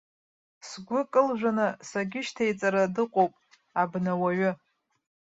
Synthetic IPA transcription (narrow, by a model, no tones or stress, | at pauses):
sɡʷʊkʼɨlʒʷᶣanasaɡʲɪʃtʰajt͡sʼaɾadɨqʷʼowpʼ | abnawaɥʊ